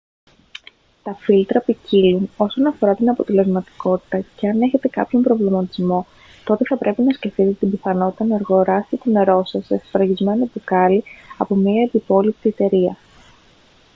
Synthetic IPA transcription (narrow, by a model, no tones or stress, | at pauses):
t̪ɐfilt̪ɾɐpiciluno̞so̞nɐfo̞ɾɐt̪inɐpo̞t̪e̞le̞zmɐt̪i̥ko̞t̪i̥t̪ɐce̞ɐne̞çe̞t̪e̞kɐ̰pço̞mbɾo̞vlimɐt̪izmo̞ | t̪o̞t̪e̞θɐpɾʔe̞pinɐsce̞fit̪et̪et̪imbiθɐno̞t̪it̪ɐnɐeɾɣo̞ɾɐsit̪ine̞ɾo̞sɐsefifɾɐʝizme̞nɐpukɐliɐpo̞miɐed̪ipo̞lip̚t̪iet̪e̞ɾiɐ